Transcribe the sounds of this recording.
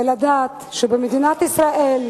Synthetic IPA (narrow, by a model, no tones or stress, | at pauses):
elad̪aːt̪ʃebemed̪inat̪isʁaʔel